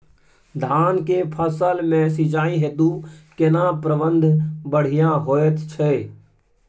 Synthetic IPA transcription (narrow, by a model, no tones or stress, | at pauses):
d̪ʱaːnkeːpʰəsəlmẽːsɪd͡ʒaːĩɦeːd̪ukenãpɾəʋənd̪ʱbəɽ̤ɪjãːɦoːjət̪t͡ʃʰɛː